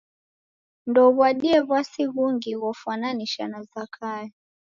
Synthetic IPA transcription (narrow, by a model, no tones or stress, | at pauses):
ndɔβwaɗiɛβwasiβuŋɡiwɔfwananiʃanazakʰajɔ